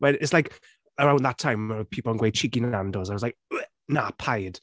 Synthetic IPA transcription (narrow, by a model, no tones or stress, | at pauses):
wɛlɪtslajk | əɹãʊ̃nðətʰãɪ̃məpʰipl̩ˠə̃nɡweɪt͡ʃʰiɡinandɔzaɪwzlaɪk̚ɛ | napʰaɪd̥